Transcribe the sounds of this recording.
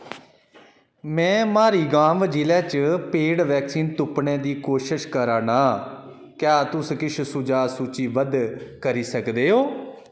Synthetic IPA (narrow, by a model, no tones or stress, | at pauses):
mɛ̃ːmaːɾiːɡãːmd͡ʒiːlɛːt͡ʃpeːɽʋɛːksiːnt̪ʊpɳẽːd̪iːkoːʃəʃkəɾaːnaː | kjaːt̪ʊskɪt͡ʃʰsʊd͡ʒaːsuːt͡ʃiːʋəd̪kəɾiːsəkd̪eːɦoː